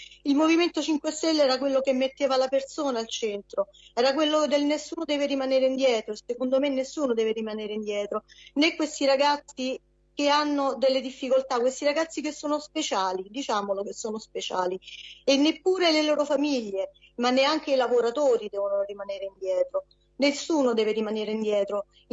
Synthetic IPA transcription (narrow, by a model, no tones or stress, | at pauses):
ilmoviment̪ot͡ʃiŋkwest̪ɛlːɛːɾakwelːokemːet̪ːeːvalapersoːnaːlt͡ʃɛnt̪ɾo | ɛːɾakwelːod̪elnesːuːnod̪ɛːveɾimaneːɾeind̪jɛːt̪ɾoesːekond̪omenːesːuːnod̪ɛːveɾimaneːɾeind̪jɛːt̪ɾonekːwest̪iɾaɡat̪sːi | k̟eanːod̪elːed̪ifːikolt̪akːwest̪iɾaɡat̪sːik̟esːoːnospet͡ʃaːlid̪it͡ʃaːmolok̟esːoːnospet͡ʃaːlienːepːuːɾeleloːɾofamiʎːe | manːeaŋk̟eilavoɾat̪oːɾid̪ɛːvonorimaneːɾeind̪jɛːt̪ɾo | nesːuːnod̪ɛːveɾimaneːɾeind̪jɛːt̪ɾo